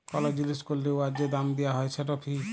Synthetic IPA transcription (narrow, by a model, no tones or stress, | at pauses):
kɔlɔd͡ʒiliskolːewad͡ʒed̪amd̪ijaɦɔjt͡ʃʰeʈɔpʰi